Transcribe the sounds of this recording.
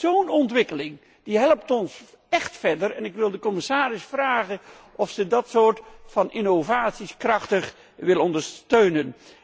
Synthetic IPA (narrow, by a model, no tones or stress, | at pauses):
z̥ownɔntʋɪkəlɪŋ | d̥iɦɛlˠəp̚tɔns | ɛχtfɛɹdərɛnɪkʋɪlˠdəkɔmɪsaːɾɪsfraːχən | ʔɔfsədɑtsoːɹtfɑnɪnovaːtsiskrɑχtəχ | ʋɪlˠɔndəɹstøɥnən